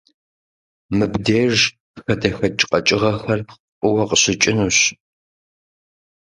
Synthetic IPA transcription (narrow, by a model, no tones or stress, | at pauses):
mɨbdeːʒ | xɐdɐxɐt͡ʃʼqʼɐt͡ʃʼɪʁɐxɐr | ʔʼʊwɐqəɕɪt͡ʃʼɪnuːɕ